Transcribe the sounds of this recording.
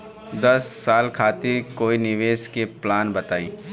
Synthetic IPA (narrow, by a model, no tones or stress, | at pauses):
d̪ɐsːaːlkʰaːt̪iɾkoːinɪʋeːskeplaːnbɐt̪aːĩː